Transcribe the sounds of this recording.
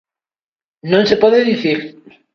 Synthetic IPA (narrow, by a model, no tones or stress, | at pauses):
nõnsepɔðeðiθiɾ